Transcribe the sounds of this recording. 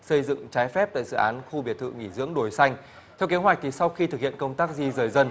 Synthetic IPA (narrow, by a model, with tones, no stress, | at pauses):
sə˧jzɨ̰˧˨ŋt͡ɕaː˨˦jfɛ˦˥p̚t̪a̰ː˧˨jzɨ̰˧˩ʔaː˨˦nxu˧ɓi˨˩ət̪ʰɨ̰˧˨ŋi˧˩zɨ̰˧˥əŋɗo˨˩jsa˧jŋ̟ | t̪ʰɛ˧wke˨˦hwa˨˩k̟̚t̪ʰi˨˩sa˧wxi˧t̪ɨ˨˩k̚hḭ˧˨ənkə˧wŋ͡mt̪aː˦˥k̚zi˧zəː˨˩jzə˧n